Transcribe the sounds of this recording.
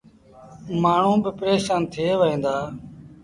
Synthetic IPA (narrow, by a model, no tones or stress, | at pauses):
maːɳ̤ũːbɪpəɾeːʃaːnt̪ʰeːʋəɦĩːnd̪aː